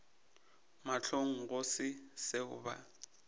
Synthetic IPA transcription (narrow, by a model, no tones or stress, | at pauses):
maɬʰoŋ̩ɣʊsɪsɪʊ̰ba̰